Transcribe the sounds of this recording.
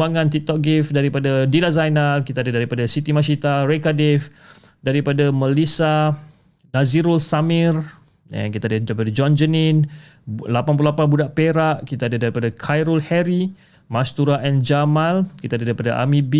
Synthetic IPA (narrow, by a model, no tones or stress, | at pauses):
aŋãnt̪it̪ɔk̚ɡifdaɾipadadilazajnalkit̪adadaɾipadasit̪imãs̬it̪aɾekadif | daɾipadaməlisa | naziɾulsamir | a̰kit̪adadaɾipadad͡ʒɔnd͡ʒənin | lapanpululapanbudaʔpeɾaʔkit̪aadadaɾipadakʰajɾulhɛɾi | mãst̪uɾaʔɛnd͡ʒamãlkit̪aːdadaɾipadaʔa̰mibi